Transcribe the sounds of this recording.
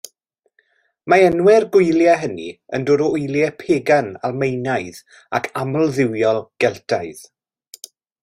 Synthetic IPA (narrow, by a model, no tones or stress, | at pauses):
maɛnwɛrɡʊɨljaɦənḭə̰ndoɾɔʊjlˠjɛpʰeːɡanalˠmejnaɨð | a̰kʰaməlˠðɪwjɔlˠɡ̥ɛlˠtʰaɨð